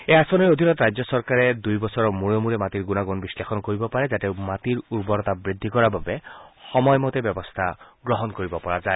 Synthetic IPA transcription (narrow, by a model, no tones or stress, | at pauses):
easɔnɔiod̪ʱinɔt̪ɾajd͡ʒjɔsɔɾkaɾed̪ujbɔsɔɾɔmuɭomuɾemat̪iɾɡunaɡunbislexʰɔnɔkoɾibɔpaɾed͡ʒat̪emat̪iɾuɾbɔɾɔt̪abɾid̪ʱːikɔɾababexɔmɔjmɔt̪ebjɔbɔst̪ʰaɡɾɔɦɔnkoɾibɔpɔɾad͡ʒae